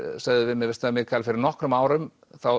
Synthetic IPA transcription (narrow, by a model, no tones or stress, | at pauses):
sɛðʏvɪmjɛɣvɛst̪amjɛɣkʰalfɪɾɪɾnɔhkɾʏmaːwɾʏm | θaw